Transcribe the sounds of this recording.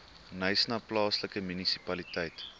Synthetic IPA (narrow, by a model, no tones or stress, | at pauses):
nəjsnɐplɑːsləkəmynisipɐlitəjt